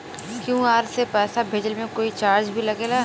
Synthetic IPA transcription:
kjũːaːɾsepɛːsabʱeːd͡ʒəlmẽkoːit͡ʃaːɾd͡ʒbʱilɐɡeːlaː

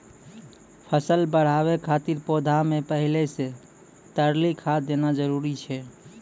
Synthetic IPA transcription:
pʰəsəlbəɽ̤aβekʰat̪iɾpod̪ʱamepəɦilese | t̪əɾlikʰad̪enad͡ʒəɾuɾit͡ʃʰɛ

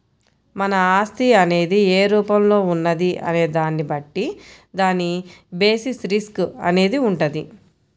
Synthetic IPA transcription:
mɐnɐaːst̪iɐne̞ːd̪ieːɾuːpɐmlo̞ːunːɐd̪iʔɐ̰ne̞ːd̪aːnːibɐʈːi | d̪aːnːibe̞ːsisɾiskɐ̰ne̞ːd̪iuɳʈɐd̪i

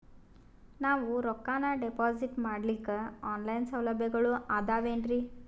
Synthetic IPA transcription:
naːʋuɾɔkːaːnaɖepaːziʈmaːɽlikːɐaːnlɐjnsɐwlɐbʱjɛɡɐɭuʔaːd̪aːʋeːɳɖɾi

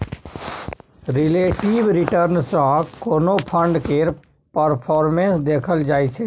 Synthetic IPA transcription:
ɾɪleːʈiːʋɾɪʈəɾnsãːkoːnõːpʰə̃ɳɖkeːɾ | pəɾpʰɔːɾmẽnsd̪eːkʰəld͡ʒaːiːt͡ʃʰɛː

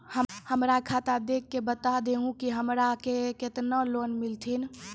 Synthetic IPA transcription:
həhəmɾakʰat̪ad̪ekʰːebət̪ad̪eɦũkiɦəmɾakeket̪nəlonmilt̪ʰin

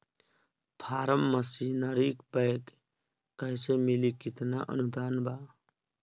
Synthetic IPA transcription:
pʰaːɾəmːəsinɐɾiːkpəjkː | əjsemilikit̪na̰ʔə̰nud̪aːnbaː

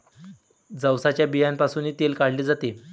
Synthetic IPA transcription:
d͡zəwsat͡ɕjabijanpasuːniːt̪elkaɽliːd͡zat̪e

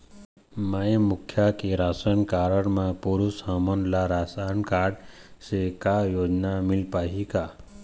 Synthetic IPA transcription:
maẽmʊkʰːjakeɾasəɳkaɾəɽmãpuɾusamənlaɾasaɳkaɖ | sekajoːd͡ʒnamilpaɦika

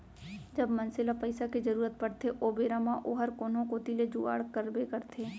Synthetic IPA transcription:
d͡ʒɐbmɐnsɪlapɐɪsakid͡ʒɐɾuːɾət̪̚pɐɽt̪ʰeʔoːbeːɾamãʔoːɦəɾkoːnõkoːt̪iled͡ʒuːa̰ːɽkəɾbekɐɾt̪ʰeː

